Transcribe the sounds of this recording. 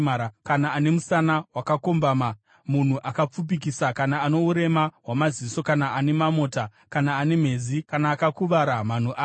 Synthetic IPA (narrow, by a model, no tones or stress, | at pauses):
aakanaːne̞musanawakako̞mbama | mun̤uʔakap͡fup̬ik̬isakanaːno̞uɾe̞mawamaziiso̞kanaʔane̞mamo̞ːta | kanaːne̞m̤e̞zikanaːkakuʋaɾaman̤uʔaː